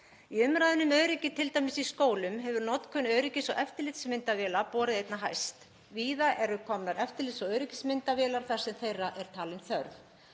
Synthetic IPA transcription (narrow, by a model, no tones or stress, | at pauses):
iʏmɾajðɪnʏmœɥɾɪcɪt̪ʰɪlt̪ajmɪsiskoːwlʏmɦɛvʏɾnɔt̪kʰœnœɥɾɪcɪsɔ̰ʔɛft̪ɪɾlɪt̪smɪnt̪avɛːlapɔːɾɪðejt̪naɦa̰jst̪ | viːðaʔɛɾʏkʰɔmnaɾɛft̪ɪɾlɪt̪sɔœɥɾɪcɪsmɪnt̪avɛːlaɾ̥θaɾ̥sɛmθejraʔɛɾ̥t̪ʰaːlɪnθœɾθ